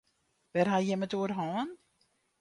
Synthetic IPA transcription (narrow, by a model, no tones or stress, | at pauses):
ʋɛrɦajɛmətuərɦɔːn